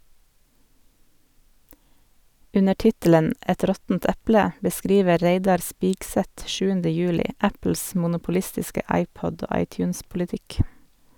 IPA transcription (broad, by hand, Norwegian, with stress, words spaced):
ˈʉnə ˈʈɪtələn ˈɛt ˈɾɔtn̩t ˈɛplə bəˈskɾiːʋə ˈɾeɪdɑɾ ˈspiːɡsɛt ˈʃʉːəndə ˈjʉːlɪ ˈæpl̩s mʊnʊpʊˈlɪstɪskə ˈʔɑɪˌpɔd ˈoː ˈʔɑɪˌtjʉːnspʊlɪˌtɪk